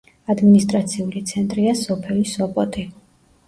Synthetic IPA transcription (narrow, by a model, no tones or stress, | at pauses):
ad̪minist̪ʼɾat̪sʰiulit̪sʰɛnt̪ʼɾiasɔpʰɛlisɔpʼɔt̪ʼi